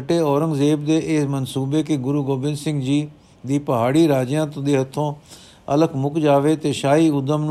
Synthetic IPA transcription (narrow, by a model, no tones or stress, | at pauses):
ʈeːɔːɾəŋɡzeːbd̪eːʔɪsmənsuːbeːkɪɡʊɾuːɡoːbɪ̃nsɪ̃ŋɡd͡ʒiː | d̪iːpəɦaːɽiːɾaːd͡ʒjãːt̪õːd̪eːɦət̪ʰːõː | ələkʰmʊkd͡ʒaːʋeːt̪eːʃaːiːʊd̪əmn